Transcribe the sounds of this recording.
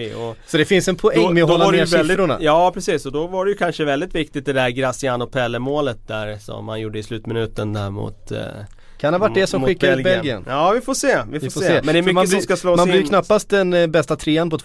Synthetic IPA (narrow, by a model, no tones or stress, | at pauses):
ɔsɔd̪ɛfɪnsɛnpʰɔɛŋːmɛɔɦɔlːanɛeːsɛɾʊɳa̰jɑːpʰɾɛsiːsɔd̪ɔvaɖɛjʉkʰanʂəvɛld̪ɪt̪vɪk̚t̪ɪt̪̚d̪ɛd̪æɾɡɾasɪanɔpʰɛlːəmoːlət̪̚d̪æɾsɔ̰mːa̰njuːɖːəɪslʉ̟ːt̪mɪnʉ̟ːt̪ənd̪æ̰ɾmʊ̰t̪ | kʰand̪əvaʈːd̪ɛsɔmɧɪkːaɾlbɛlɡɪə̰nɑːvɪfoːseːvɪffoseːmɛnɛmmab̪lskasloːmanlijkʰnapːast̪̚d̪ɛnbɛst̪at̪ʰɾeːanpʰɔt̪ʰ